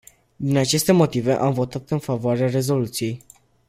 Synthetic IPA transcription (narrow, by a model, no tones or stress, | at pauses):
d̪inat͡ʃe̞st̪e̞mo̞t̪ive̞ʔamvo̞t̪at̪ɨnfavoaɾeare̞zo̞lut̪sije̞j